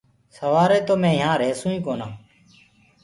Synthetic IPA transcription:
səʋaːɾeːt̪oːmẽːjãːɾeːsũːĩːkoːnãː

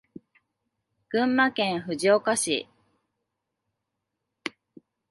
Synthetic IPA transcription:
ɡ̥ɯ̟̃mːakẽ̞ɰ̃ɸɯ̟ʑiokaɕḭ

